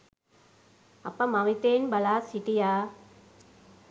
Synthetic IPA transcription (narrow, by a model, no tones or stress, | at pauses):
ɐpːɐmɐmit̪ːeːnbɐlaːsiʈijaː